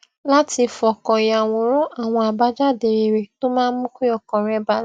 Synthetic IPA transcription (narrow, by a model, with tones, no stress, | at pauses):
la˦ti˧fɔ˨kɔ̃˨ja˨w̃ɔ̃˨ɾɔ˦a˦˨w̃ɔ̃˧a˨ba˦d͡ʒa˦˨de˨ɾe˨˧˨ɾe˨to˦mãː˦mũ˦kʷi˦ɔ˦˨kɔ̃˨ɾɛ˦ba˦